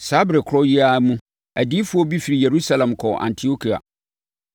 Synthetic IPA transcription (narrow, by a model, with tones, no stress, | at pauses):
saː˨˦bɾɛ˨kʰɾɔ˦ji˦a˦mũ˦ | æ˨di˦fʊ˦ɔ˦bi˦fi˨ɾi˨je˨ɾu˦sa˦˨lɛ̃˨mkʰɔ˨ʔã̰˨ntʰi˨˦o˦kʰi˨a̰˨